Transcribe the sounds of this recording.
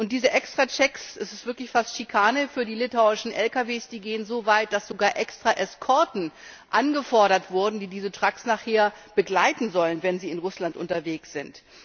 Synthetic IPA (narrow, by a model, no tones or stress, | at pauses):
ʔʊnt̚d̥iːzəʔɛkstʁ̥at͡ʃɛksʔɛsɪ̥stv̥ɪɐklɪçfastʃikʰaːnəfyːɐdiːlɪtʰaʊɪʃn̩ʔɛlkaveːsd̥iːɡeːənzoːvaɪt̚d̥asz̥oɡaːɐʔɛkstʁ̥aʔɛskʰɔɐtn̩ʔanɡəfɔɐɾɐtv̥ʊɐdn̩diːdiːzətʁ̥aksnaχheːɐb̥əɡlaɪtn̩zɔlənvɛnziːɪnʁʊslantʔʊ̰ntɐveːksz̥ɪnt